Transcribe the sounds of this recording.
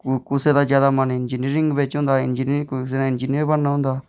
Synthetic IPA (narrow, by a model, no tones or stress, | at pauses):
kukused̪aːd͡ʒjaːd̪amãnẽɪnd͡ʒiniɾɪ̃ŋɡbeːt͡ʃɦõːnd̪aːɪnd͡ʒinksenãɪnd͡ʒiniəɾbənːaɦõːnd̪aː